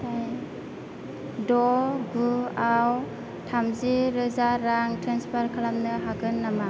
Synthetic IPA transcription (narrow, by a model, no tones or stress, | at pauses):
tʰaj | dɔɡuaw | tʰamziɾɯzaɾaŋtʰɾanspʰaɾkʰalamnɯɦaɡɯnːama